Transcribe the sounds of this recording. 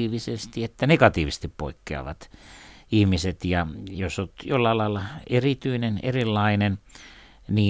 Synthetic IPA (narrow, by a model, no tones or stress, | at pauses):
iːʋisest̪iet̪ːænekɑt̪iːʋist̪ippo̰ikːeɑ̰ʋɑ̰t̪ihmiset̪jɑjosot̪jolːɑlɑelːɑerit̪yinenḛrilːɑinen | niː